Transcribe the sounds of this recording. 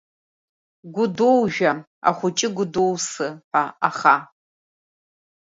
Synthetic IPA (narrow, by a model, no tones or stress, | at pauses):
ɡʷʊdowʒᶣɐ | a̰χʷʊt͡ʃʼɪɡʷʊdowsɨpaaχa